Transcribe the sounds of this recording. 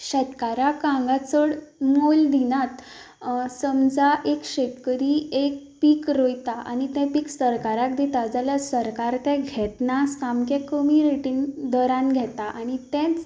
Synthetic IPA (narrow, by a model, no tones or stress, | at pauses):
ɕɛt̪kaɾakãŋɡat͡səɽmold̪inat̪ | səmd͡zaʔekɕekkəɾiek̚piːkɾojt̪aʔa̰nit̪ɛ̃piːksəɾkaɾak̚d̪it̪ad͡zaləsəɾkaɾt̪ɛ̃ɡʱɛt̪nasamkɛkəmiɾeʈind̪əɾãnɡʱɛt̪aʔaɽ̃it̪ɛ̃t͡s